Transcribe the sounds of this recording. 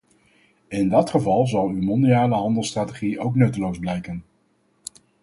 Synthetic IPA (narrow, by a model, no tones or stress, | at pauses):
ɪndɑtχəvɑlˠzɑlˠywmɔndiaːləɦɑndəlˠstraːteχiʔowknɵtəlowzblɛjkən